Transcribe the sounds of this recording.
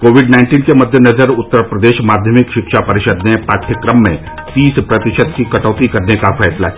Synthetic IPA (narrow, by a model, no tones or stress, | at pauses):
koːʋɪɖnaɪ̃ɳʈiːnkemɐd̪ʱːjenɐzəɾʊt̪ːəɾpɾɐd̪eːʃmaːd̪ʱjəmɪkʃɪkʃapɐɾɪʃəd̪nepaːʈʰjəkɾəmːḛ̃ | t̪iːspɾɐt̪ɪʃət̪kikɐʈɔːt̪ikɐɾnekafɛːsla̰